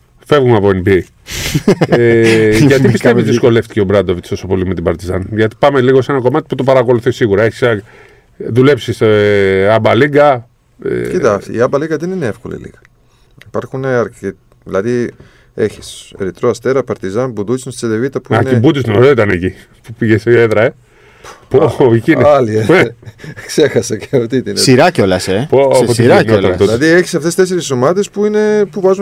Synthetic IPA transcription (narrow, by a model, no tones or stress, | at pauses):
fe̞vɣumɐvoinbi | ʝɐt̪ipist̪eizðisko̞le̞ft̪i̥ceobɾɐd̪ovit̪st̪o̞so̞po̞lime̞t̪̬ibɐɾt̪izɐnʝɐt̪i̥pɐmeliɣo̞se̞nɐko̞mɐt̪iput̪opɐɾɐko̞luθisiɣuɾɐeçi̥s | ðule̞psis | ɐbɐliɡɐ | ḛit̪ɐiɐbɐliŋɡɐðenineefkolḭlḭɣɐ | ipɐɾxuneɐɾke | ðilɐði | e̞çi̥sḛɾit̪ɾoɐst̪e̞ɾɐpɐɾt̪izɐnbud̪ut͡sinst͡seðevit̪ɐpuiɐneibut̪isnoɾoit̪ɐneci | pupiʝesoeðɾɐe | poicinɐlie | kse̞xɐsɐceɐft̪it̪inesiɾɐcolɐsepooiɾɐnot̪ɐnt̪ot̪ɐðieçi̥sɐft̪est̪e̞s̬eɾisomɐt̪espuine̞puvɐzu